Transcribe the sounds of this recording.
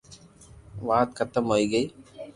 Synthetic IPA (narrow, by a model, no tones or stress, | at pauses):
ʋaːt̪̚kɐt̪əmɦoːiɡɐiː